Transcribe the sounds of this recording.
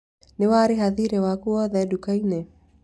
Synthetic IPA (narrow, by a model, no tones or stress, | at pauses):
nɪwaɾiɦaðiɾɛwakuɔðɛdukainɛ